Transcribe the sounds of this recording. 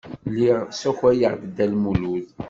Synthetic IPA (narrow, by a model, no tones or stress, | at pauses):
liʁsæçæjəʁdd̪ːælmuluð